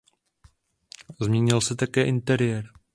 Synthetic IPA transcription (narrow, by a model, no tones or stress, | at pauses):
zmɲɛɲɪlsɛt̪akɛːʔɪnt̪ɛɾɪjɛɾ